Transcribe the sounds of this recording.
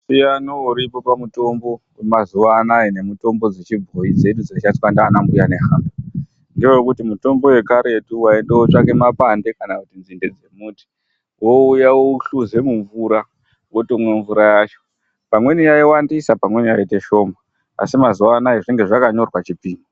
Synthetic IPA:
sijanouɾipo̞pamuto̞mbo̞mazuʋaːnaine̞muto̞mbo̞d͡zet͡ʃibʱoid͡ze̞ɗud͡ziat͡ʃati̥kwandaːnambujane̞ɦaːmba | ndiojokutimuto̞mbo̞we̞kaɾe̞tuwaendewot͡ʂake̞mapande̞kanakutinzinde̞d͡ze̞muːti̥ | wo̞ujawouɬuze̞muɱvuɾa | wotomwe̞ɱvuɾajaːt͡ʃo̞ | pamwe̞nijaiwandisapamwe̞nijaite̞ʃo̞ma̰ː | simazuʋaːnaiʐiŋɡe̞ʐakaɲo̞rwat͡ʃipiːnu

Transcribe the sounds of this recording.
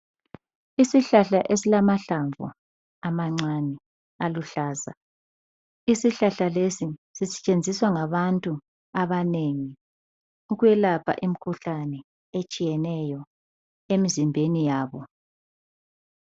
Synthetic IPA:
isiɬaɬaʔesilamaɬaɱvṵ | amaŋ͡ǀanɛ | aluɬaːza̰ | isiɬaɬalesisisɛ̥t͡ʃʼend͡zʱiswaŋaβantʼu | aβaneŋi | uɣujɛlapʰa̰ʔim̩kʰuɬanɛ | et͡ʃʼijɛnɛjɔ | emizimbʱenijaːβɔ

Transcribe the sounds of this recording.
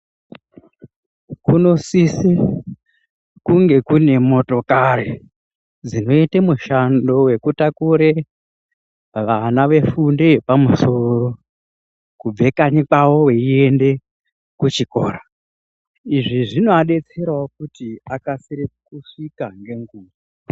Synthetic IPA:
kuno̞sisi | kuŋɡe̞kune̞mo̞to̞kaɾe | d͡zino̞itemuʃando̞we̞kutakuɾe | ʋanaʋe̞fundepamuso̞ro̞ | kub͡ve̞kaɲikawo̞we̞ie̞nde̞ | kut͡ʃikoːɾa | iʐiʐino̞aɗe̞t͡se̞ɾaokutiakasiɾekuʂikaŋɡe̞ŋɡuːwo

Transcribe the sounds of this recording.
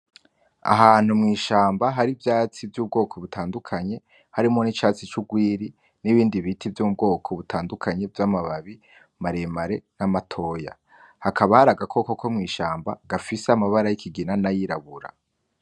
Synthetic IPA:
a̰ɦaːn̥umŋiːʃaːmbaɦaɾivjaːt͡sivjuːb̚ɡo̞ːkʰo̞βutʰaːndukʰaɲe̞ | haɾimonit͡ʃaːt͡sit͡ʃuɡwiːɾi | niβiːndiβitʰivjuːmub̚ɡo̞ːkʰoβutʰaːndukʰaɲe̞vjamaβaβi | maɾemaɾenamatʰo̞ːja̰ | hakʰaβahaɾaɡakʰo̞kokʰomŋiːʃaːmba̰ɡafiseamaβaɾajikʰiɡinanajiɾaβuɾa̰

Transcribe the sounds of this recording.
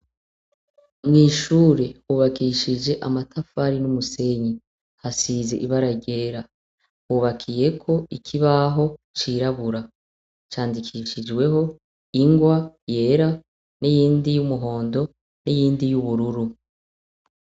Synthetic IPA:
mŋiːʃuːɾe̞huːβakiʃid͡ʒe̞ʔamatʰafaɾinumuse̞ɲi | hasize̞ʔiβaɾaɟe̞ːɾa | huːβakʰije̞kʰo̞ikʰiβaɦo̞t͡ʃiɾaβuɾa | t͡ʃaːndikʰiʃid͡ʒɡwe̞ho̞ | iŋɡwaje̞ːɾa | nijiːndijumuɦo̞ːndo̞ | nijiːndijuβuɾuɾu

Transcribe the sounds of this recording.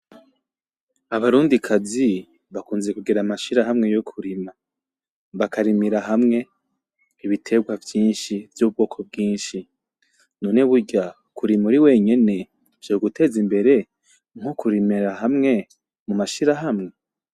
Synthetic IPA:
aβaɾuːndikʰazi | βakuːnze̞kuɡiɾamaʃiɾaɦamŋe̞jokʰuɾima | βakaɾimiɾaɦamŋe̞ | iβitʰe̞ɡwavjiːnʃivjuβub̚ɡo̞ːkʰo̞b̚ɡiːnʃi | nuneβuɟa | kuɾimuɾiwe̞ːɲe̞ne̞ | vjoːɡutʰe̞zimbe̞ɾe̞ | ŋ̥hokuɾimiɾaɦamŋe̞ | mumaʃiɾaɦamŋe̞

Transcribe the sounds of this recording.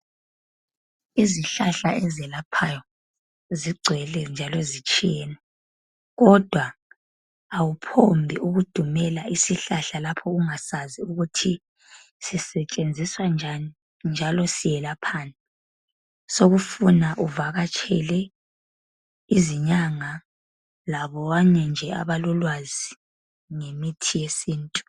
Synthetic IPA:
iziɬaɬaɛzɛlapʰajɔ | ziɡ͡ǀʱwɛlɛnd͡ʒʱalɔzit͡ʃʼijɛːnɛ | ɣɔd̥ʱwa | awupʰombʱiʔuɣud̥ʱumɛlaʔisiɬaɬalapʰɔɣuŋasaziuɣutʰi | sisɛt͡ʃʼend͡zʱiswand͡ʒʱani | nd͡ʒʱalɔsijɛlapʰaːnɛ | soɣufunaʔuvaɣat͡ʃʰʼɛlɛ | iziɲaŋa | laβɔβaɲɛnd͡ʒʱɛa̰βalɔlwazi | ŋemitʰijesiːntʼu̥

